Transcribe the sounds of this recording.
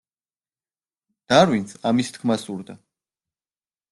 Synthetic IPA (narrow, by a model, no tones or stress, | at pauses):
d̪̥aɾwinsamist̪ʰkʰmasuɾd̪a